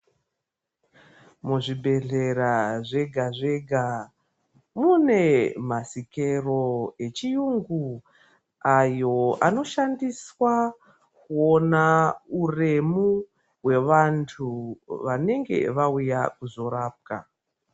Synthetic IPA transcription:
muʐiɓʱe̞ɮe̞ɾaʐe̞ɡʱaʐe̞ɡʱa | mune̞masike̞ro̞e̞t͡ʃijuŋɡu | ajo̞ano̞ʃandiswa | kuonaure̞mu | we̞ʋantʰuʋane̞ŋɡe̞̰ʋaujakuzo̞ɾaːp̚ka̰

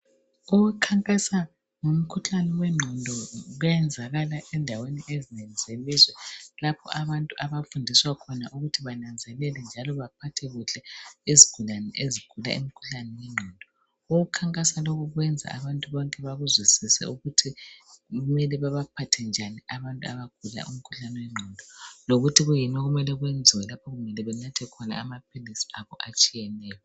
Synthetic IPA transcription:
uwukʰaŋkʼasa | ŋom̩kʰuɬanɛwɛŋ͡ǃʱɔndʱɔɣwɛnd͡zʱaɣalaʔɛndʱaweniʔezinɛlɛz̥elizwɛlapʰɔ̰aβantʼuʔaβafundʱiswakʰɔna̰ʔuɣutʰiβanand͡zʱɛlɛlɛnd͡ʒʱalɔβapʰatʰɛɣuɬɛiziɡ̥ʱulanɛʔeziɡ̥ʱula̰ḭm̩kʰu̥ɬanɛwɛŋ͡ǀʱɔndʱɔ | uɣukʰaŋkʼasaloɣuɣwɛnd͡zʱa̰aβantʼuβɔŋkʼɛβaɣuzwisisɛ̰uɣutʰi | ɣumɛlɛβaβapʰatʰɛnd͡ʒʱaniaβantʼua̰βaɡ̥ʱula̰ʔum̩kʰu̥ɬanɛwɛŋ͡ǃʱɔndʱɔloɣutʰiɣujinaɣumɛlɛɣwɛnd͡zʱiwɛlapʰɔɣuɣumɛlɛβɛnatʰɛkʰɔna̰ːmap̚ʰilisi̥aβɔʔat͡ʃʼijɛnɛːjɔ

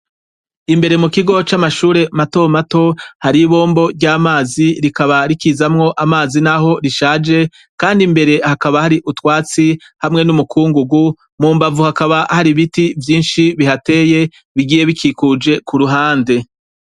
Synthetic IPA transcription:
imbe̞ɾe̞mukiɡo̞t͡ʃamaʃuːɾe̞mato̞mato̞haɾiβo̞ːmbo̞ɾɟaːmaːziɾikaβaɾikizamŋo̞ʔamaːzinaɦo̞ɾiʃaːd͡ʒe̞ | kaːndimbe̞ɾe̞hakaβahaɾiʔutwaːt͡si | hamŋe̞numukʰuːŋɡuɡu | muːmbavuhakaβahaɾiβitivjiːnʃiβihate̞ːje̞ | βiɡiːje̞βikʰikud͡ʒe̞kuɾuɦaːnde̞

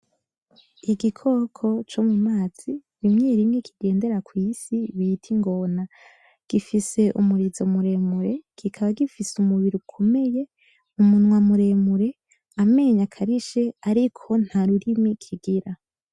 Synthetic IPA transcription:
iɡikʰo̞kʰo̞t͡ʃomumaːz̥iɾimɲeːɾimŋekʰiɡe̞ːnde̞ɾakwiːsiβitʰiŋɡo̞na | ɡ̥ifise̞ʔumuɾizo̞muɾe̞muɾe̞ɡ̥ikʰaβaɡifisumuβiɾukʰo̞me̞je̞ | umunŋwamuɾe̞muɾe̞ | ame̞ːɲakʰaɾiʃe̞aɾikʰo̞n̥haɾuɾimikʰiɡiɾa

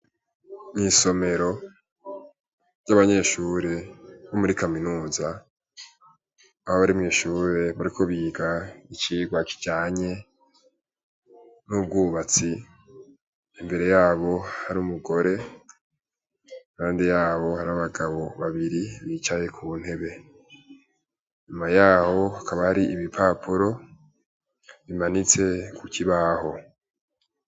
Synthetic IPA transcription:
miso̞me̞ɾo̞ | ɟaβaɲe̞ːʃuːɾe̞βomuɾikaminuːza | ahoβaɾimŋiːʃuːɾe̞βaɾikʰo̞βiːɡait͡ʃiːɡwaki̥d͡ʒaːɲe̞ | nub̚ɡuːβat͡si | imbe̞ɾe̞jaːβo̞haɾuːmuɡo̞ɾe̞ | aːndijaːβo̞haɾaβaɡaβo̞βaβiɾiβit͡ʃaje̞kʰun̥he̞βe̞ | ɲumajaːho̞akaβahaɾiʔiβipʰapʰuɾo̞ | βimanit͡se̞kukiβaho̞

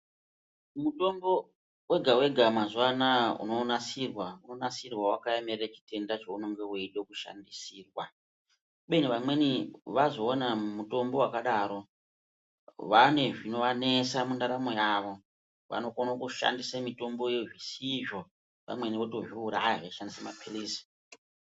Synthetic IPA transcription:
muto̞mbo̞ | we̞ɡʱawe̞ɡʱamazuwanaṵno̞nasirwauno̞nasirwawakajemerret͡ʃi̥te̞ndat͡ʃounoŋɡeeiɗokuʃa̰ndisiːrwa | uɓeniʋamwe̞niʋazo̞ːnamuto̞mbo̞wakaɗaɾo̞ | ʋane̞ʐino̞ʋane̞samundaɾamo̞jaːʋo̞ | ʋa̰no̞konokuʃa̰ndisamito̞mbo̞jeʐisiʐo̞ | pa̰mwe̞niʋotoʐiuɾaɦeʃandisamapʰilisi̥

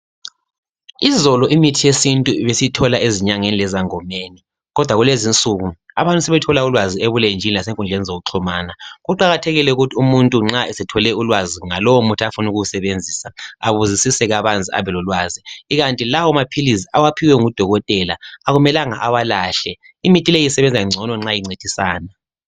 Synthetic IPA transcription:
izɔlɔʔimitʰijesintʼuiβesitʰɔlaeziɲaŋenilɛzaŋɔmeːni | ɣɔd̥ʱwaɣulezint͡sʼuɣua̰βantʼusɛβɛtʰɔlaulwazieβulend͡ʒʱinilaseŋkʼund͡ɮʱenizoɣuǁʰɔmaːnaɣuǃaɣatʰɛɣilɛuɣutʰiumuntʼuŋ͡ǁaɛsɛtʰɔlɛulwaziŋalɔwomutʰafunuɣuusɛβend͡zʱiːsaaβuzisisɛɣaβand͡zʱia̰βɛlɔlwaziːɣantʼilawɔmapʰilisiawapʰiwɛŋud̥ʱɔɣɔtʼɛlaaɣumɛlaŋaʔawalaɬɛ | imitʼilejisɛβɛnd͡zʱaiŋ͡ǀʱɔnɔŋ͡ǁajiŋ͡ǀed̥ʱisaːna

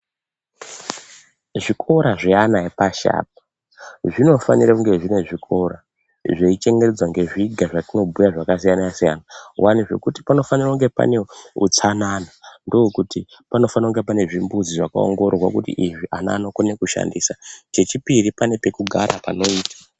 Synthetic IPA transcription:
ʐikʰo̞ɾaʐeanaepaʃa̰ːp̚ḁ | ʐino̞fa̰niɾakuŋɡe̞ʐine̞ʐikʰo̞ɾa | ʐeit͡ʃe̞ŋɡered͡zwaŋɡe̞ʐiɡʱaʐatino̞bʱujaʐakasijanajasija̰nawaniʐe̞̰kuti̥pano̞fanirakuŋɡe̞pa̰ne̞ṵt͡sananando̞kuti | pano̞fanakuŋɡe̞pane̞ʐimbud͡ziʐaka̰o̰ŋɡo̞rrwakutḭʔiʐiʔana̰nokone̞kuʃa̰ndiːsat͡ʃe̞t͡ʃipiɾipane̞pe̞kuɡʱa̰ɾa̰pa̰no̞iːtḁ

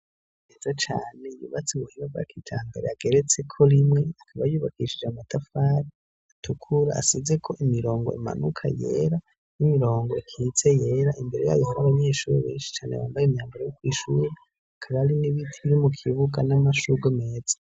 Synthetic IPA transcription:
nezat͡ʃaːne̞jṵːβat͡siβuhiɾovɡa̰kʰitʰaːmbeɾeaɡe̞ɾet͡se̞kʰo̞ɾimŋe̞akʰaβajuːβakiʃid͡ʒaumatʰafaːɾi | atʰukʰuɾa̰ːsize̞kʰo̞ʔimiɾo̞ːŋɡo̞̰ima̰nukʰa̰jḛɾa | nimiɾo̞ːŋɡo̞ikʰit͡se̞je̞ːɾaʔimbe̞ɾe̞̰ja̰ːjohaɾaβaɲe̞ːʃuːɾeβḛːnʃi̥t͡ʃaːnḛwa̰ːmbajemɲaːmbaɾajokwiːʃuːɾe | akʰaβaɾiniβitʰiβiɾimukʰiβuɡanamaʃuɡome̞ːz̥ḁ

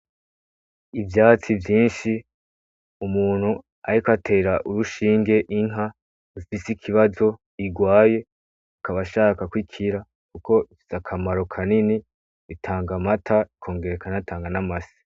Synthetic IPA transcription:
ivjaːt͡sivjiːnʃi | umuːn̥hu | a̰ɾikatʰe̞ːɾaʔuɾuʃiːŋɡe̞ʔiŋɦa | ufisikʰiβazo̞ | iɡwaːje̞ | kaβaʃaːkakwikʰiɾa | kuko̞ | z̥akʰamaɾo̞kʰanini | βitʰaːŋɡamatʰaikʰo̞ːŋɡe̞ɾekʰanatʰaːŋɡanamasi̥

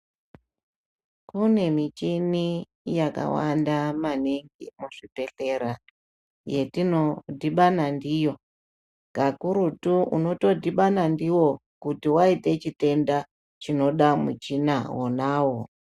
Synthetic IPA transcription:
kune̞mit͡ʃini | jaka̰wandamaniŋɡimuʐipe̞ɬe̞ɾa | je̞tino̞diɓanandijo̞ | ɡ̥akuɾutuṵno̞to̞diɓanandiwo̞ | kutiwaite̞t͡ʃite̞nda | t͡ʃino̞ɗamut͡ʃinawonaːwo̞

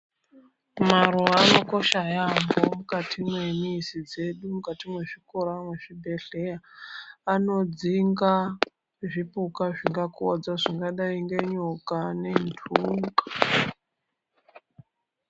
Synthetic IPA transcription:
maruaːno̞ko̞ʃajambo̞mukatʰimwe̞misid͡ze̞ɗumukatimwe̞ʐikoɾamwe̞ʐ̥ibʱe̞ɬe̞jaː | no̞d͡ziŋɡa | ʐipukaʐiŋɡakod͡zaʐiŋɡaɗaiŋɡeɲokane̞ndʰʱuŋɡḁ

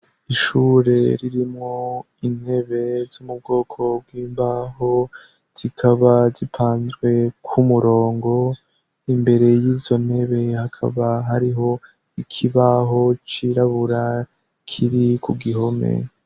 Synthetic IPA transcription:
iʃuːɾe̞ɾiɾimŋo̞ | in̥he̞βe̞z̥umub̚ɡo̞ːkʰo̞bɡwiːmbaho̞ | z̥ikʰaβazipʰaːnzɡwe̞kʰumuɾo̞ːŋɡo̞ | imbe̞ɾe̞jiːzo̞n̥he̞βe̞hakʰa̰βaɦaɾiɦo̞ | ikʰiβaɦo̞t͡ʃiɾaβuɾa | kʰiɾikuɡiɦo̞mḛ

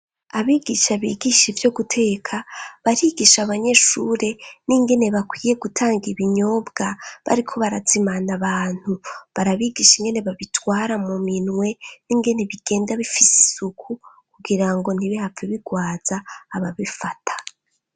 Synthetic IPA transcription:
aβiːɡiʃaβiɡiʃivjo̞ɡutʰe̞ːkʰaβaɾiːɡiʃaβaɲe̞ʃuɾe̞niŋɡe̞ne̞βakwiːje̞ɡutʰaːŋɡiβiɲo̞ːbɡaβa̰ɾikʰo̞βaɾat͡simanaβaːn̥huβaɾaβiɡiʃiŋɡe̞ne̞βaβitwaːɾamuminwe̞niŋɡe̞ne̞βiɡ̥e̞ːndaβifisi̥sukʰukuɡiɾaŋɡo̞n̥iβihafiβiɡwaːz̥aːβaβifatʰḁ

